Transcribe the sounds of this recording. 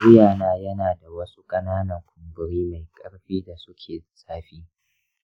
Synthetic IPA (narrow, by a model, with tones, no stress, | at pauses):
ɪ˦jaː˨naː˦jɐ˦naː˨da˨wɐ˦su˦kʼɐ˦naː˦nɐ˨ŋkʰʷʊ˨mbʊ˨ɽiː˦ma˨jkʼɐ˦ɽɸiː˦da˨sʊ˦kʲʰeː˨saː˦ɸiː˦